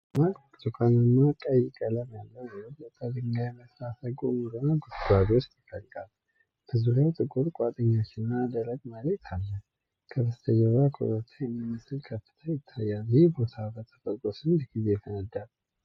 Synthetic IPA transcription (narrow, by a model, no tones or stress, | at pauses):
makʼ | zukʼanɨmːakʼəjːɪkʼələmjalːəwjɛbot̪ʼːad̪ɨŋɡajɛməslasəɡomuɾɨnaɡotɡadot͡ʃːt̪ʰəkʼəlkʼal | bəzuɾawt̪ʼɨkʼuɾkʼat̪ʼɨɲːat͡ʃːɪnnːad̪əɾəɡmələt̪ʰalːə | kʰəbəst̪ʰəd͡ʒəβɾakʰo̰ɾət̪ʰajɛmːimːɨsɨlkʰəfːɨ̥t̪ʰəjɪt̪ʰːajːaljɪhebo̞t̪ʰabət̪ʰə̥t̪ʼəkʼosɨndɡize̞fənəd̪al